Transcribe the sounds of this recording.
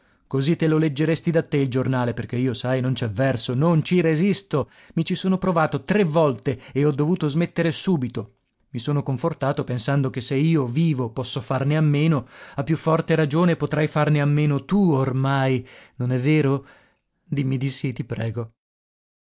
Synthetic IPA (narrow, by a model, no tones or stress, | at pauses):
kozit̪ːeloled͡ʒːeɾest̪id̪at̪ːeild͡ʒornaːleperk̟eiːosajnont͡ʃɛvɛrsonont͡ʃiɾezist̪o | mit͡ʃisoːnopɾovaːt̪ot̪ɾevːɔlt̪eeɔd̪ːovuːt̪ozmet̪ːeɾesuːbit̪o | misoːnokoɱfort̪aːt̪opensand̪ok̟eseiːoviːvopɔsːofarneamːeːnoapːjufːɔrt̪eɾad͡ʒoːnepot̪ɾajfarneamːeːnot̪uormajnonɛvːeːɾo | d̪imːid̪isit̪ipɾɛːɡo